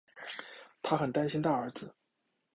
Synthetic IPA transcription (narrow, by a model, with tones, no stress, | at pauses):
t̪ʰa˥xə˨˩nt̪a˥nɕi˥nt̪a˥˩ə˞˧˥d͡zɹ̩˧